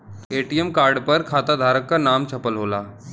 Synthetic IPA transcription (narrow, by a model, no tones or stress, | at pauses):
eʈiemkaɾɖpəɾkʰat̪ad̪ʱaːɾəkːanamt͡ɕʰəpəlɦolaː